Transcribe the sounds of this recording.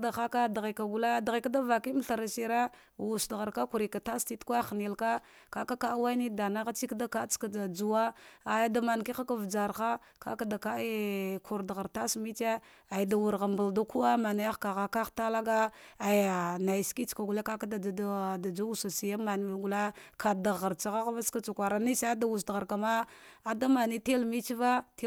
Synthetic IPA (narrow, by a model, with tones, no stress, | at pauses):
da˨xa˦ka˦da˨ɣi˨ka˨ɡu˨la˦dɣi˨ka˦da˦va˨ki˦m˦ɬa˨ɾa˨si˨ɾa˦ | wu˨sdɣa˨ɾka˦ku˨ɾi˨ka˨ta˦sti˦tkʷa˦xni˨lka˦ | ka˦ka˦ka˦wa˦i˦ni˦da˨na˦ɣa˦t͡ʃi˦kda˦ka˦t͡ska˨da˨d͡zu˨wa˦a˨ja˦da˨ma˨nki˦xa˦ka˦vd͡ʒa˨ɾxa˦ | ka̰˦ka˦da˨ka˦i˦kʰu˨ɾda˨ɣa˨ɾta˦smi˦t͡ʃe˦ | a˨jda˨wu˨ɾɣa˨mba˨lda˦ku˦wa˦ma˨na˨ja˦ka˨ɣa˦ka˦xta˦la˦ɡa˦a˨i˨a˨na˨jski˦t͡ʃka˨ɡu˨le˦ka˦ka˦da˨˦da˨d͡ʒa˦wu˦sa˨si˨ja˦ma˨n˨i˨ɡu˨la˦kʰa˨da˨ɣa˨ɾt͡sa˨ɣa˦ɣva˦ska˦t͡ʃa˨kʷa˨ɾa˨ni˦sa˦a˦da˨wu˨s̬dɣa˨ɾka˨ma˦a˨da˦ma˨ni˦te˦lmi˦t͡ʃi˦va˦t